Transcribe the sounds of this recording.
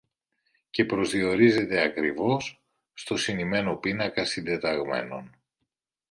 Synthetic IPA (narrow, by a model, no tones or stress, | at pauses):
ce̞pɾo̞zðio̞ɾize̞t̪e̞ɐkɾivo̞sː | t̪o̞sinime̞no̞pinɐkɐsind̪e̞t̪ɐɣme̞̰no̞̰n